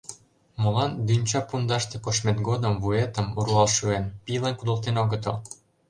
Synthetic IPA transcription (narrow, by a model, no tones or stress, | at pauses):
mŏlɑnd̪ynʲt͡ɕɑpund̪ɑʃt̪ĕkoʃmet̪ɡod̪ə̆mvuet̪ə̆muɾuɑlʃuenpilənkud̪ə̆lt̪enoɣət̪ɤ̰̆l